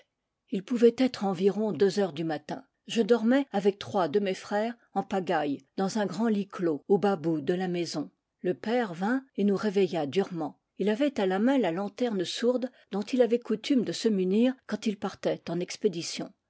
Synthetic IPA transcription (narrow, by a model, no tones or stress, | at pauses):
ilpuvɛt̪ɛt̪χɑ̃viʁɔ̃d̪øzœʁd̪ymat̪ɛ̰̃ | ʒəd̪ɔʁmɛavɛk̚t̪χwad̪əmefχɛːʁ | ɑ̃paɡajd̪ɑ̃zɛ̃ɡʁɑ̃likloobabud̪əlamezɔ̃ | ləpɛʁvɛ̃enuʁevɛjad̪yʁmɑ̃ | ilavɛt̪alamɛ̃lalɑ̃t̪ɛʁnəsuʁd̪ | d̪ɔ̃t̪ilavɛkut̪ymd̪əsəmyniːʁkɑ̃t̪ilpaʁt̪ɛt̪ɑ̃nɛksped̪isjɔ̰̃